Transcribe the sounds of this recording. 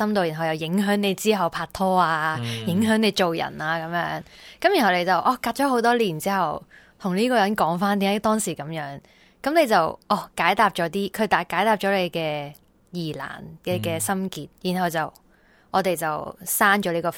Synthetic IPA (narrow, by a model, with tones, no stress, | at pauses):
sɐ˥mt̪o˧wji˨˩ɦɐ˨wjɐ˨wjɪ˨˥ŋɦœː˨˥ŋne˨˧jt͡siː˥ɦɐ˨wpʰaː˧t̚t̪ʰɔː˥aː˧jɪ˨˥ŋɦœː˨˥ŋne˨˧jt͡ʃo˨wjɐ̰˨˩naː˧kɐ˨˧mjœ̰ː˨˥ŋkɐ˨mjy˨˩nɦɐ˨wt̪e˨˧jt͡sɐ˨wʔɔː˧˩kaː˧t̚t͡ʃɔː˨˥ɦo˨˥wt̪ɔː˥liː˨˩nt͡siː˥hɐ˨w | t̪ʰʊ˨˩ŋliː˥kɔː˧jɐ˨˥nkɔː˨˥ŋfaː˥nt̪i˧˥ŋːa˨˥t̪ɔː˥ŋsiː˨˩kɐ˨˧˥mjœː˨˥ŋ | kɐ˨˥mne˨˧jt͡sɐ˨wʔɔː˨˧˩kaː˨˥jt̪aː˧p̚t͡ʃɔː˨˧˥t̪iː˥kʰɵ˨˧ɥt̪aː˨˩kːaː˨˥jt̪aː˧p̚t͡ʃɔː˨˥le˨˧jkɛː˧ | jiː˨˩la̰ː˨˩nkɛː˧kɛː˧sɐ˥mkiː˧t̚jiː˨˩nɦɐ˨˧wt͡sɐ˨w | ʔɔː˨˧t̪e˨jt͡sɐ˨wsaː˥ŋt͡ʃɔː˨˥lei˧˥kɔː˧